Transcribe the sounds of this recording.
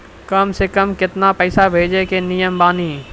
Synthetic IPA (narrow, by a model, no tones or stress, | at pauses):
kəmsekɐmkɪt̪napɛːsabʱeːd͡ʒekenijəmbaːniː